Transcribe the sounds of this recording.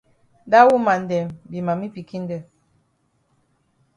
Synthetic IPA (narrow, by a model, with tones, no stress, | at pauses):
da˦wu˦ma˨n˨dɛ˨mbi˨ma˨mi˦pi˨ki˦n˦dɛ˦˨